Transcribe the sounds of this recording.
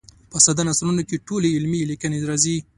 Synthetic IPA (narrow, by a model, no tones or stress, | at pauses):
pəsad̪anaslunokeʈoleɪlmilikəneɾɑzi